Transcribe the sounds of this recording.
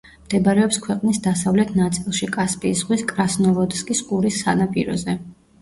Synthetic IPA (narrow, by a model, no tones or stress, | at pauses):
md̪̥ɛbaɾɛɔpskʰwɛqʼnisd̪asavlɛt̪ʰnat̪sʼilˠʃikʼaspʼiːsʁwiskʼɾasnɔvɔd̪skʼiskʼuɾisːa̰napʼḭɾɔ̰zɛ